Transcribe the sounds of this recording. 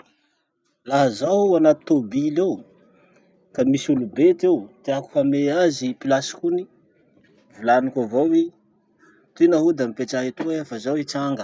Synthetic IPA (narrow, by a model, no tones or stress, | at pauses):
laɦəzaanat̪u̥t̪obilew | kamisulubet̪ewt̪eaku̥fameazipilasi̥kuni | vulanikavowi | t̪inaɦud̪amipeʈ͡ʂaɦit̪uefəzawit͡saŋɡə